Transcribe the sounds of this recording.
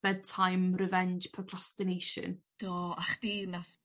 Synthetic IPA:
ɛd̚tʰajmrɪvɛnd͡ʒpʰəɡʰrastɨnejʃə̰nd̥oːaχd̥inaf

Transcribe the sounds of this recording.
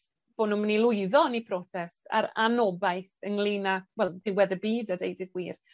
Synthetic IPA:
b̥oːnuːmənilˠʊɨðɔnipʰrɔtʰɛstʰa̰ɾa̰nɔbajθəŋlˠiːnawɛlˠðɪwɛðəbiːdadejdɪɡwiːr

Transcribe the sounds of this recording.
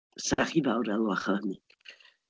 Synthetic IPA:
sɛχivawɾɛlˠwaχəni

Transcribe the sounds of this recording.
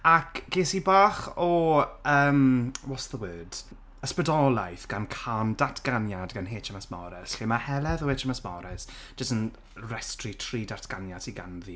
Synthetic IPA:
akɡ̥eːsibaːχɔəːmwɔsðəwəːd̥ | əspədɔlˠajθɡ̥ankʰandatʰɡ̥anjadɡanɦeːt͡ʃʰəmasmɔ̰ɾɛsɬemahɛlɛðəweːt͡ʃʰəmasmɔ̰ɾɛs | ʒ̥əstən | rɛstritʰriːdatʰɡ̥anjatʰiɡa̰nðiː

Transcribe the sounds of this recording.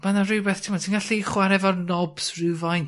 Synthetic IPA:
manarɨwbɛθtʰimɔtʰinɡaɬiχwaɾɛvɔrnɔbsrɨvajn

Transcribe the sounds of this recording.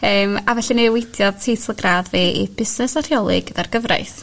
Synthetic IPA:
əːmavɛɬinewejdjɔðtʰejtʰlˠəɡraðveʔḭb̥ɪsnɛsar̥jɔlˠɪ̰ɡ̥ədarɡəvra̰jθ

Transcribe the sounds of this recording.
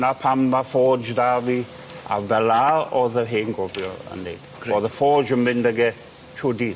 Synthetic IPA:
napʰamːafɔːd͡ʒdavi | a̰vɛlaɔðəɦeːŋɡɔbjɔə̰nḛːd | ɔðəfɔːd͡ʒəmɪndəɡɛ | t͡ʃʰʊdi

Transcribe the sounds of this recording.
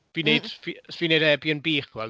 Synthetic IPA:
vineɨd̥fisviːnejdɛbjənbiːχvɛl

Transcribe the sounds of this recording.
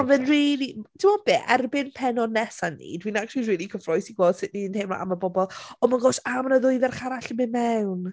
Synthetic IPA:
anvɛnriːlˠitʰɪmɔb̥eːʔɛrbɪnpʰɛnɔnɛsanːḭdwinak̚tlˠiriːlˠikʰəfrɔɨsiɡwoːd̥sɪʔninhejmla̰ʔa̰məbɔbɔlˠɔmaɡoːsamnəðʊɨðɛrχaɾaɬəmɪnmɛwn

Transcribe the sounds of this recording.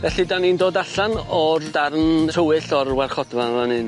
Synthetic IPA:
vɛɬidanindoːdaɬanɔrdarnʰəwɨɬɔrwarχɔdvanvanɨn

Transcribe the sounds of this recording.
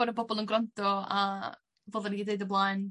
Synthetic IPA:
ɔɾəbɔbɔlˠənɡɾɔntɔa̰ | voːðəniideɨdəblˠaːɨn

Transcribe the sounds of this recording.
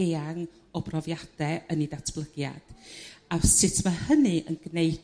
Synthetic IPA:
aŋ | ɔbrɔvjad̥ɛənidatʰb̥lˠəɡja̰d̥asɪtʰmahənɨʔə̰nɡnej

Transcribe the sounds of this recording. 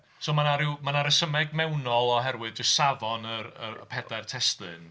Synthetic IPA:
soːmanaɾɪwmanaɾəsəmɛɡ̚mɛwnɔlˠɔɦɛrwɨðd͡ʒʊstsavɔnəɾə̰əpʰɛdar̥tʰɛstlɨ̰n

